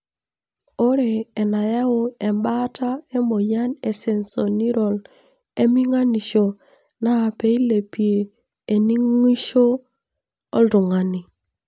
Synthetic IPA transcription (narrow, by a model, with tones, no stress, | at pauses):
o˦ɾeː˨na˨ja˦o˦ɛ˨mba˦ta˦e˦mo˨ja˦ne˨sɛ˦nso˨ni˦ɾɔ˨l | e˦mi˦ŋa˦ni˨ʃo˨ | na˦˨pe˦i˦le˨pi˨e˨ | e˨ni˦ŋ˦i˦ʃo˦ | ɔ̰˦lɾʊ˨ŋa˨ni˨